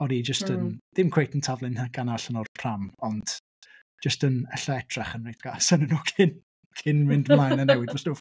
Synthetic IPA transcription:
ɔdid͡ʒəstənd̥ɪmkʰw̥ejtʰəntʰavlˠɨnɡ̥anaɬənɔrpʰramɔnd̥ | d͡ʒəstənɛɬɔɛtʰrɛχənrejtɡ̥asanənuːkʰɪn | kʰɪnmɪndmlˠajnənɛwɪdvɔsnuː

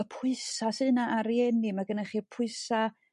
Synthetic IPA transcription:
əpʰʊɨsasɨnaʔaɾjɛnimaɡənaχiːrpʰʊɨsa

